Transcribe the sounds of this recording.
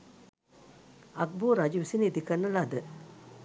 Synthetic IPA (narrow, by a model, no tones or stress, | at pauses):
ʔak̚boɾad͡ʑumsined̪ikarnəlaɦd̪ə